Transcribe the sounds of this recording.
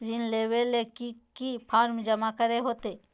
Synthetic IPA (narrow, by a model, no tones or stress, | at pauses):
d͡ʒɪnleːwelekikipʰaːɾmd͡ʒɐmakəɾeɦoːt̪eː